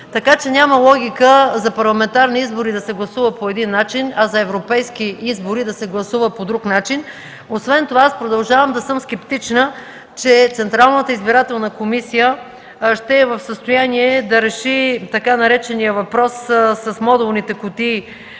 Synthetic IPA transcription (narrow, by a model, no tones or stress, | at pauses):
t̪ɐkat͡ʃɛnʲaməlˠɔɡʲikəzɐpɐɾlˠɐmɛnt̪aɾniizboɾid̪ɐsɛɡlˠɐsuvəpoɛd̪inːat͡ʃinɐzɐɛvɾopɛjskiizboɾid̪ɐsɛɡlˠɐsuvəpod̪ɾuknat͡ʃin | osvɛnt̪ovaaspɾod̪ɐlˠʒavəmd̪ɐsɤmskɛpt̪it͡ʃnə | t͡ʃɛt̪sɛnt̪ɾalˠnət̪əizbiɾat̪ɛlˠnəkomisijə | ʃt̪ɛːvɐfsəst̪ojaniɛd̪ɐɾɛʃit̪ɐkanɐɾɛt͡ʃɛnijəvɐpɾɔssɐsmɔd̪ɛlˠnit̪ɛkʊt̪i